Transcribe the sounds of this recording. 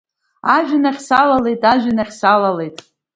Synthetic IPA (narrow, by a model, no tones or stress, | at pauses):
aʒᶣɪnaχʲsalale̞jtʼaʒʷᶣɪnaχʲsalale̞jtʼ